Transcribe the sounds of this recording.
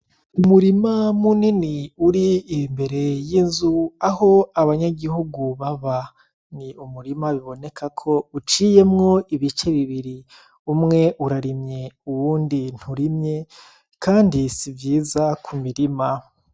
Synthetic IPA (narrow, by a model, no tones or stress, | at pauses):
umuɾimamuniniuɾiːmbe̞ɾe̞jinzuaho̞aβaɲaɡihuɡuβaβa | niumuɾimaβiβo̞ne̞kʰakʰo̞ut͡ʃiːje̞mŋo̞iβit͡ʃe̞βiβiɾi | umŋe̞ʔuɾaɾimɲe̞uwuːndin̥huɾimɲe̞ | kʰaːndisivjiːzakʰumiɾima